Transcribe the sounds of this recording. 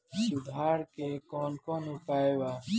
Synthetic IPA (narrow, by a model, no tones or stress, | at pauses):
ʊd̪ɦaːɾkekoːnkoːnupaːjwaː